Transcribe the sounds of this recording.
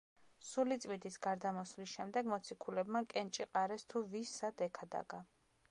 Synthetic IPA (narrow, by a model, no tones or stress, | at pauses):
sulit̪sʼwid̪isɡaɾd̪amɔslisʃɛmd̪ɛɡmɔt̪sʰikʰulɛbmakʼɛnt͡ʃʼiqʼaɾɛst̪ʰuvisːad̪ɛkʰad̪a̰ɡa